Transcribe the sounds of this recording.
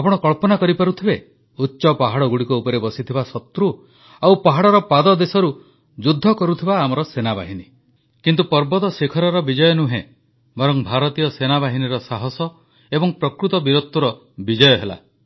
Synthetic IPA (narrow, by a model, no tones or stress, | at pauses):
apɔɽ̃ɔkɔɭpɔnakɔɾipaɾut̪ʰibe | utːʃɔpaɦaɽɔɡuɽikuupɔɾebɔsit̪ʰibasɔt̪ɾu | awpaɦaɽɔɾɔpad̪ɔd̪esɔɾu | d͡ʒud̪ʱːɔkɔɾut̪ʰibaːmɔɾɔsenaba̰ɦini | kint̪upɔɾbɔd̪ɔsekʰɔɾaɾɔbid͡ʒɔjɔnuɦẽ | bɔɾɔŋbʱaɾɔt̪ijɔsenabaɦiniɾɔsaɦɔsɔ | ebɔŋpɾɔkɾut̪ɔbiɾɔt̪ːuɾɔ | bid͡ʒɔjɔɦela̰